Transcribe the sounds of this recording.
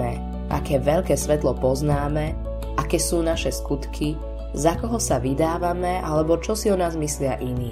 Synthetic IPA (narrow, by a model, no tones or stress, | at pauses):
ɛ | ʔa̰kɛːʋɛlkɛːsʋɛt̪lɔpɔznaːmɛ | ʔakɛːsuːnaʃɛskut̪kʰi | zakɔɦɔsaʋid̪aːʋamɛalɛbɔt͡ʃɔsiɔnaːzmislɪaʔiniː